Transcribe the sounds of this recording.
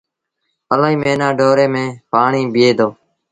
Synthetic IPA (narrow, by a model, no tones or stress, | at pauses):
əlaːĩːmẽːnaːɖoːɾeːmẽːpaːɳiːbɪjeːd̪oː